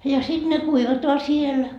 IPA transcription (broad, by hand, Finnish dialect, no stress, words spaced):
jɑ sit ne kuiʋɑtoɑ siel